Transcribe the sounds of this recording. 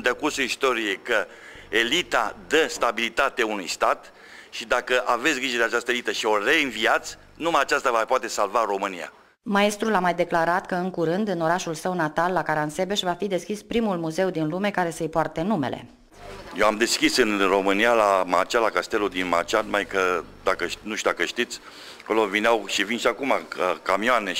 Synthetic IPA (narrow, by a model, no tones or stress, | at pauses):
nd̪ekursuist̪o̞ɾijekə | e̞lit̪ad̪əst̪abilit̪at̪eunṵjst̪at̪ | ʃid̪akəʔavetsʲɡɾiʒed̪eat͡ʃast̪əelit̪əʃio̞re̞ɨnviat̪sʲ | numaat͡ʃast̪avajpoat̪e̞salvaro̞mɨnija̰ | mae̞st̪ɾulamajd̪e̞klaɾat̪kəɨŋkuɾɨnd̪ɨno̞ɾaʃulsəwnat̪alːakaɾanse̞be̞ʃvafid̪e̞skʲispɾimulmuze̞wd̪inlume̞kaɾe̞səjpoart̪enume̞̰lḛ | jewamd̪e̞skʲisɨnro̞mɨnijalama̰t͡ʃalakast̪e̞lud̪inma̰t͡ʃanumajkə | d̪akəʃnuʃt̪ud̪akəʃt̪it̪sʲ | ako̞lo̞vineawʃivinʃiakumakamioane̞